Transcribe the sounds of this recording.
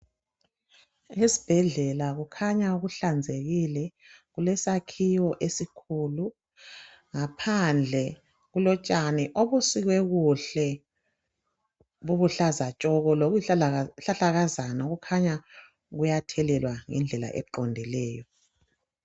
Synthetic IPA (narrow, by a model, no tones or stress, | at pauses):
esi̥b̥ʱɛɮɛlaɣukʰaɲauɣuɬand͡zʱeɣilɛ | ɣulɛsakʰijɔʔesikʰulu | ŋapʰand͡ɮʱɛ | ɣulɔt͡ʃʼanɛʔoβusiɣwɛɣuɬɛ | βuβuɬazat͡ʃʼɔɣɔloɣɬaɬaɣazanaɣukʰaɲa | ɣujatʰɛlɛlwaŋɛ̰nd͡ɮʱɛla̰ʔɛ̰ǃɔndʱilɛːjɔ